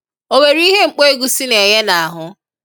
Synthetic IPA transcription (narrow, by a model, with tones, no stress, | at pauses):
o˦me˨ɾi˦ɦe˦ŋ͡m̩˨k͡pe˦e˦ɡu˨si˦ne˨ɲe˦na˨a˨ɦʊ˦